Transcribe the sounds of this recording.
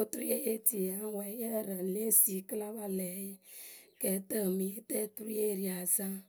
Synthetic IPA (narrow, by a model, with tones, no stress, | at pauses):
o˦tu˦ɾe˦ʔe˦ti˨a˦wɛ˨˦jɛ˦˨ɾə˨le˦si˨kə˦la˦ba˦lɛ˨jkɛ˨tə˦˨mi˨˦tɛ˦tu˦ɾi˦e˦˨ɾi˨a˨za˦